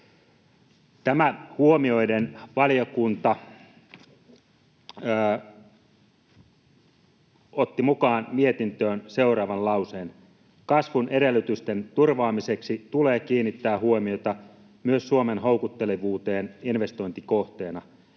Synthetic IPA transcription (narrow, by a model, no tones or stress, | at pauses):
t̪æmæhuomio̞jdenʋɑlijokunt̪ɑ | ot̪ːimukɑːnmie̞t̪int̪øːnse̞uɾɑːʋɑnlɑwseːn | kɑsʋunʔe̞ɾe̞lːyt̪yst̪ent̪urʋɑːmise̞ksit̪uleːkiːnːit̪ːæːɦuomiot̪ɑ | myøssuomenɦowkut̪ːe̞leʋuːt̪e̞ːninʋe̞st̪o̞jnt̪ikoht̪e̞ːnɑ